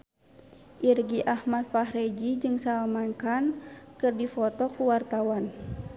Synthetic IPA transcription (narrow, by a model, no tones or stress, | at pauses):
ʔirɡiʔahmat̪̚faɦɾed͡ʒid͡ʒɨŋsaamaŋkankɨrdifɔt̪ɔkuwart̪awan